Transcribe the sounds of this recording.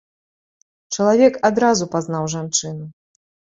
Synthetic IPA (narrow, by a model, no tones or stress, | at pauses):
t͡ʂɐlˠavʲɛkad̪ɾazupaznawʐant͡ʂɨnu